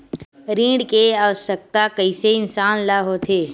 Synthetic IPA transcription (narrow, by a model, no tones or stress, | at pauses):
ɾĩːɖkeaːʋəʃək̚t̪akəiseɪnsaːnlaɦot̪ʰeː